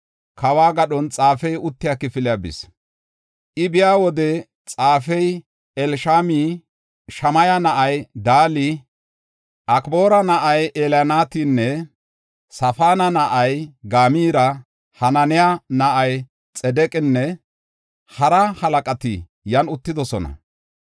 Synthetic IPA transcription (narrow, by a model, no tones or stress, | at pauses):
kɐwaːɡɐɗɔnt͡sʼaːfɛjʊt̪ːɪjakɪfɪlɪjabɪ̰s | ʔɪbɪjaːwɔd̪ɛ | t͡sʼaːfɛj | ɛlʃaːmi | ʃɐmɐjɐnɐʔɐjd̪aːli | ʔɐkboːɾɐnɐʔɐjʔeljanaːt̪iːnːɛ | sɐfaːnɐnɐʔɐjɡaːmiːɾɐ | hɐnɐnɪjanɐʔɐj | t͡sʼɛd̪ɛkʼɪnːɛ | hɐɾɐhɐlɐkʼɐt̪ɪ̰ | jɐnʊt̪ːɪd̪ɔsɔnɐ̰